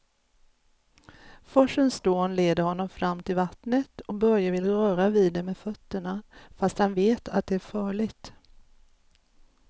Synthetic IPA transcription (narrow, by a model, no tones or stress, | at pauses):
fɔʂənsd̪̥oːnleːd̪əɾhɔnːɔmfɾamːt̪ʰɪlvat̪nət̪ɔk̚bœɾjavɪlːɾœːɾavid̪ɛmɛfœt̪ːəɳafast̪hanveːt̪ʰat̪̚d̪ɛæɾfɑːɭɪɡt̪